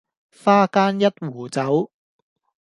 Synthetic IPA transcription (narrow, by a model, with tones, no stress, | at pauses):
faː˥kaː˥njɐ˥t̚wuː˨˩t͡sɐ˨˥w